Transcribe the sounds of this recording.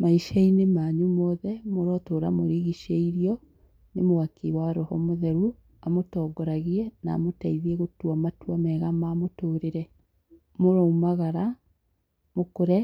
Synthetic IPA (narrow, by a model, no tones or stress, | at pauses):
maiʃainemaɲumɔðɛmoɾɔtoːɾamoɾiɣiʃeiɾiɔ | nemowakʰiwaɾɔhɔmoðɛɾu | amotɔːɡɔɾaɣiɛna̰ːmotaiðiɛɣotwamatwamɛɣamaːmotoːɾeɾɛ | moɾɔumaɣaɾa | mokoɾɛ